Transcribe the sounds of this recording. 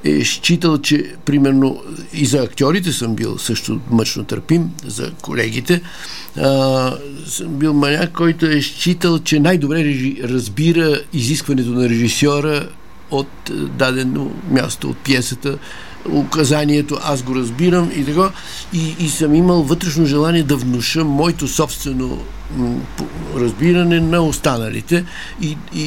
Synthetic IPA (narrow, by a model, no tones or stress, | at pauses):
ɛ̰ʃt͡ʃit̪̬əlˠt͡ʃɛ | pɾimɛɾnoizɐːkt̪ʲjɔɾit̪̬ɛsəmbḭlˠsɤʃt̪omət͡ʃnot̪ə̰ɾpimzɐ̰ko̰lɛɡ̟it̪ɛ | səmbilˠmɐnʲakɔjt̪oɛʃt͡ʃit̪əlˠt͡ʃɛnajd̪obɾɛɾɛiɾɐzbiɾəiziskvɐnɛt̪onɐɾɛʒisɔɾə | ot̪d̪ad̪ɛno̰mʲja̰st̪oo̰t̪̚pjɛsət̪ə | okɐzaniɛt̪oʔas̬ɡoɾɐzbiɾəmit̪ɐka | iːsəmiməlˠvət̪ɾɛʃnoʒɛlˠaniɛd̪ɐvnʊʃəmːɔɛt̪osɔpst̪vɛno̰ | ɾɐzbiɾɐnɛnɐost̪anəlḭt̪ɛ | i